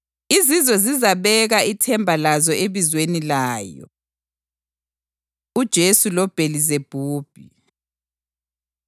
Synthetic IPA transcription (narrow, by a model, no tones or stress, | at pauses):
izizɔzizaβɛɣaitʰɛmbʱalazɔeβizwenilaːjɔ̰ | ud̥ʒ̥ʱesulɔb̥ʱelizeb̥ʱuːb̥ʱi